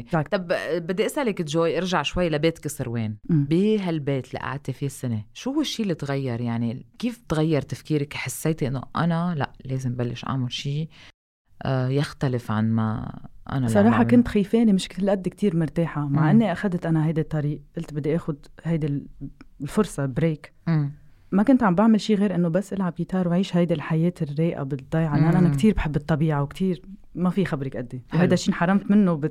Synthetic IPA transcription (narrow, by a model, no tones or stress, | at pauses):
t̪ɑbbɪd̪ːiʔɪsʔalɪkɪt̪ʒoːjʔɪɾʒaʕʃwajːlabeːt̪kɨsˤɨɾweːnbiɦalbeːt̪lḭʔa̰ʕad̪̚t̪efisːɪneʃuhʊwːɪʃːiːlːit̪ɣajːɑɾˤjaʕnikiːft̪ɣajːɑɾˤt̪afkiːɾɪkħasːeːt̪ʔɪnːo̰ʔa̰nala̰ʔleːzɪmbalːɪʃʔa̰ʕmʊlʃiː | ʔjaxt̪alɪfʕanma̰ʔa̰nasˤɑɾˤɑːħɑkʊnt̪xijfeːnimɪʃkt̪ɪlʔad̪ːik̚t̪iːɾmʊɾt̪eːħamaʕʔɪnːiʔaxad̪t̪ʔanaɦajd̪it̪ˤːɑɾiːʔʔɪlt̪bɪd̪ːiʔeːxʊd̪hajd̪i | lfʊɾsˤɑbɾeːkː | makʊnt̪ʕambʔaʕmalʃiːɣeːɾʔɪnːobasːʔɪlʕabjit̪ɑːɾˤwʕiːʃhajd̪ɪlħajeːt̪ɪrːeːʔa̰bɪd̪ˤːɑjʕaʔnːʔanʔanakt̪iːɾbħɪbːɨt̪ˤːɑbiːʕawkt̪iːɾ | mafixabɾɪkʔad̪ːiwhajd̪aʃːiːnħɑrˤːɑmt̪mɪnːob